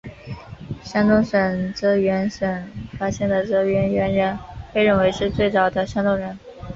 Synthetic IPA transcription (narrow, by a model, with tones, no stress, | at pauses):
ɕjɑ˥ŋt̪ʊ˥ŋʂə˨˩nʈ͡ʂɤ˥ɥɛ˧˥nʂə˨˩nfa˥ɕjɛ˥˩nd̪ə˩ʈ͡ʂɤ˧˥˩ɥɛ˧˥nɥɛ˧˥nɻə˧˥npe˥˧ɪɻə˥˩nwe˧˥ɪʂɻ̩˥˧t͡swe˥˩ɪt͡sɑ˨˩ʊd̪ə˦ɕjɑ˥ŋt̪ʊ˥ŋɻə˧˥n